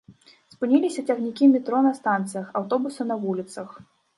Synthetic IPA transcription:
spɨnʲilʲisʲɐt͡sʲɐɣnʲikʲimʲit̪ɾɔnɐst̪ant̪sɨjɐxɐwt̪ɔbusɐnɐvulʲit̪sɐx

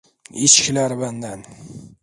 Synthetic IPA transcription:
ɪt͡ʃkʲɪlaɾband̪an

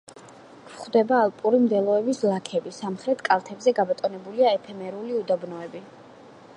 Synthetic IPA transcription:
kʰχd̪ɛbaːlˠpʼuɾimd̪ɛlˠɔɛbislˠakʰɛbisamχɾɛt̪ʰkʼalˠt̪ʰɛbzɛɡabɔt̪ʼɔnɛbuliaɛpʰɛmɛɾuliud̪abnɔɛbi

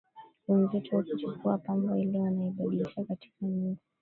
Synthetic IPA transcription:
lɛnzɛtuwakut͡ʃukuapambɔilɛwanaiɓaɗiliʃakati̥kaɲuɡi

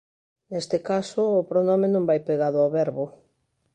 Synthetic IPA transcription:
nest̪ekasʊːpɾonɔmenõmbajpeɣaðʊawβɛɾβʊ

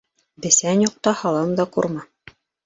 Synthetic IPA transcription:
bɘ̆sænjuq̚t̪ɑhɑlˠɤmd̪ɑqṵɾmɑ

